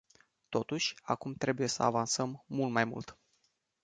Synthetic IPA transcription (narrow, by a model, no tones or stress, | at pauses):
t̪o̞t̪uʃʲa̰kumt̪ɾe̞buje̞sə̰avansəmːult̪majmṵlt̪